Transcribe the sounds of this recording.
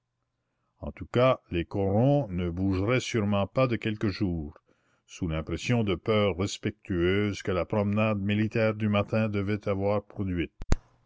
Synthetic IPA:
ɑ̰̃t̪ukalekɔɾɔ̃nəbuʒʁɛsyʁmɑ̃pad̪əkɛlkəʒuːʁ | sulɛ̃pɾɛsjɔ̃d̪əpœːʁːɛspɛk̚t̪ʰyøːzkəlapɾɔmnad̪milit̪ɛːʁd̪ymat̪ɛ̃d̪əvɛt̪ʰavwaːʁpɾɔd̪ɥɪt̪̚

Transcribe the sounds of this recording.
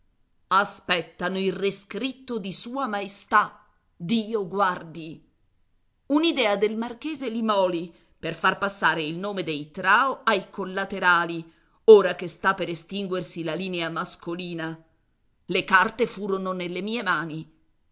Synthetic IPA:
aspɛt̪ːanoilreskɾit̪ːod̪isuːamaist̪a | d̪iːoɡward̪i | unid̪ɛːad̪elmark̟eːzelimɔːli | perfarpasːaːɾeilnoːmed̪ejt̪ɾaːoajkolːat̪eɾaːli | oːɾak̟est̪apːeɾest̪iŋɡwersilaliːneamaskoliːna | lekart̪efuːɾononelːemiːemaːni

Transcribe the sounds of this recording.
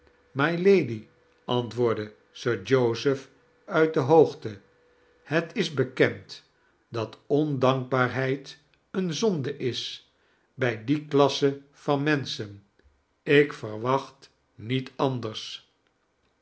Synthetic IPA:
mɑjlejdi | ʔɑntʋʊːɹdə | søːɹd͡ʒowzəf | œɥt̚dəɦowχtə | hətʰɪzbəkɛnt | dɑtɔndɑŋɡ̚baːɹɦɛjt | ənzɔndəʔɪs | bɛjdiklɑsə | fɑnmɛnsən | ɪkfəɹʋɑχt | nitʰɑndəɹs

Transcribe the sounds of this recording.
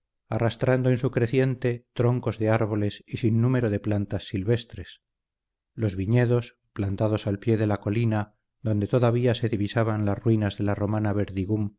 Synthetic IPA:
arast̪ɾand̪oensukɾe̞θje̞nt̪e̞t̪ɾo̞ŋko̞zðe̞aɾβ̞o̞le̞sisinːume̞ɾoðe̞plant̪asːilβest̪ɾe̞s | lo̞zβiɲe̞ðo̞s | plant̪aðo̞salpje̞ðe̞lako̞lina | ðo̞nd̪e̞t̪oðaβ̞iase̞ðiβisaβanlasrwinazðe̞laro̞manaβe̞ɾðiɣum

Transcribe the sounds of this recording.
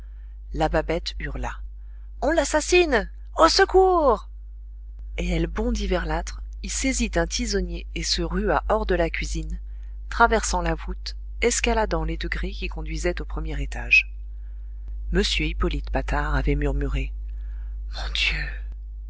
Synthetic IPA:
lababɛt̪yʁla | ɔ̃lasasin | osəkuʁ | eɛlbɔ̃d̪ivɛʁlat̪χ | ilsezit̪ɛ̃t̪ʰizɔnjeːsəʁyaʔɔʁd̪əlakʲɥizin | t̪χavɛʁsɑ̃lavut̪ | ɛskalad̪ɑ̃led̪əɡʁekʲikɔ̃d̪ɥizɛt̪opχəmjɛʁet̪aʒ | məsjøipɔlit̪pat̪aʁavɛmyʁmyʁe | mɔ̃d̪jø

